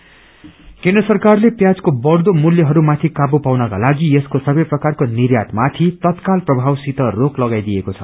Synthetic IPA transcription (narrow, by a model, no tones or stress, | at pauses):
kẽnd̪rʌsʌrkarlepjad͡zkobʌrd̪omuljʌɦʌɾumat̪ʰikabupawnʌka̰laɡieskosʌbʌjprʌkarkonirjat̪mat̪ʰit̪ʌt̪kalprʌbʱawsit̪ʌroklʌɡajd̪ijekot͡sʰʌ̰